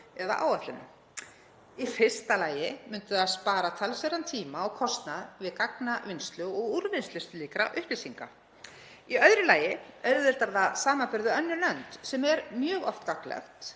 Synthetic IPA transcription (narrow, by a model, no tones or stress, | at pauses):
ɛða̰ʔa̰ːwat̪lʏnʏ̰ | ifɪ̥st̪alaːjɪmʏnt̪ʏðaðspaːɾat̪ʰalsɛɾant̪ʰiːmaɔɣkʰɔst̪naðvɪðkaknavɪnst̪lʏɔɣuɾvɪnst̪ʏst̪liːkɾa̰ʔʏhplɪsiŋka̰ | iœɥðɾɪlaːjɪœɥɾðɪɾt̪aɾðasaːmapɪɾðʏœnːʏlœnt̪sɛmɛɾmjœːɣɔ̰ft̪kaklɛ̰xt̪